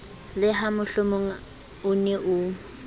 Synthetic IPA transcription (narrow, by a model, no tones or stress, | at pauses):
lɪɦamʊɬomʊŋa | ʊnɛʔʊ